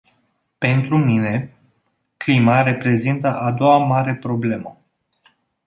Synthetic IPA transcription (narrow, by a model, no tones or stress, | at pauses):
pe̞nt̪ɾumine̞ | klimaɾe̞pɾe̞zint̪əʔad̪o̞wamaɾe̞pɾo̞ble̞mə